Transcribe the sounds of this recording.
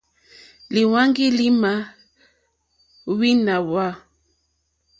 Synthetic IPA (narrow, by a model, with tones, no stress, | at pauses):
li˨wa˦ŋɡi˦li˦ma˨ | wi˦na˨wa˦˨